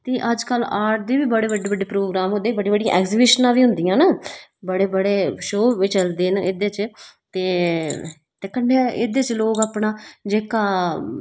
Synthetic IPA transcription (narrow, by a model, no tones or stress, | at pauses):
t̪eːʔəd͡ʒkəlaːʈ̚d̪iːʋiːbəɽeːbəɖeːbəɖeːpɾoːɡɾaːmɦʊ̃nd̪eːbəɖiːbəɖĩːã̰ɛːkzɪbɪʃnãːʋiːɦʊnd̪ijãːnaːbəɽeːbəɽeːʃoːʋɪt͡ʃəld̪eːneːd̪eːt͡ʃt̪eː | t̪eːkəɳɖeːḛːd̪eːt͡ʃloːɡaːpɳaːd͡ʒeːkaː